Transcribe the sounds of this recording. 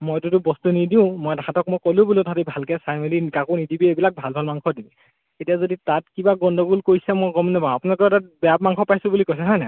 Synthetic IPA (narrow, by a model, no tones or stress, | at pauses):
mojtutʊbɔstunidiʊ̃mɔjdaãtɔk̚mojkɔlũbulutʰatibʱalkɛsajmelikakonidibiebilak̚bʱalbʱalmaŋkʰɔdim | etijazoditatkibaɡɔndʱɔɡulkojsɛmɔjɡɔmnɛbãapunalkɔtat̚bɛap̚maŋkʰɔpajsʊ̃bulikojs̬ɛɦɔjnɛ